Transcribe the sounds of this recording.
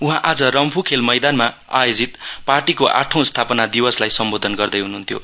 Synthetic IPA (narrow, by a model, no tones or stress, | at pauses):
uɦãʔad͡zʌɾʌmpʰukʰelmʌjd̪anma | a̰jod͡zit̪parʈikoʔa̰ʈʰʌ̃w̃st̪ʰapʌnad̪iwʌslajsʌmbod̪ʱʌnɡʌrd̪ʌjɦunuɦunt̪ʰjo̰